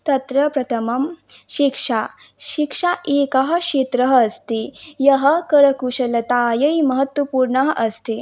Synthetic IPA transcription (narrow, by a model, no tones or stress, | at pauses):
t̪ɐt̪ɾɐpɾɐt̪ʰɐmɐmɕikʂa | ɕikʂaʔekaɦɐɕet̪ɾɐɦːst̪ejɐɦəkɐɾɐkuʂɐlɐt̪ajɐimɐɦət̪ʋɐpuːɾɳɐɦʔɐst̪e